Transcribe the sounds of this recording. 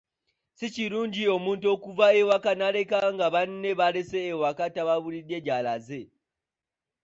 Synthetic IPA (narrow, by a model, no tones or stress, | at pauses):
siciɾuːɲɟio̞muːntuo̞kuvaewakanaɾe̞kaŋɡaβanne̞βaɾeseːwakataβaβuɾide̞ɟalaze